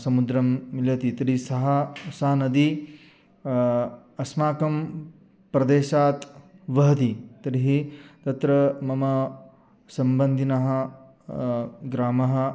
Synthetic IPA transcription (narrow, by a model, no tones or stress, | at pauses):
sɐmud̪ɾɐmːiljɐt̪it̪ɐɾisɐɦɐsaːɐnɐd̪i | ɐsmaːkɐm | pɾɐd̪eːʃaːt̪ʋɐɦɐt̪it̪ɐɾiɦit̪ɐt̪ɾɐmɐmɐ | sɐmbɐnd̪ʱinɐɦɐ | ɡɾaːmɐɦɐ